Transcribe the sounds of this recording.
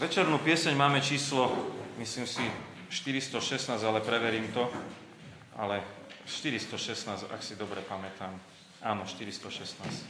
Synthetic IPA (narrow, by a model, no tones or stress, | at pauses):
ʋɛt͡ʃɛɾnuːpɪɛsɛɲmaːmɛt͡ʃiːslɔmisliːmsi | ʃt̪iɾist̪ɔʃɛsnaːzalɛpɾɛʋɛɾiːmt̪ɔ | a̰lɛʃt̪iɾist̪ɔʃɛsnaːza̰ksid̪ɔbɾɛpamɛt̪aːm | ʔaːnɔʃt̪iɾist̪ɔʃɛsnaːsc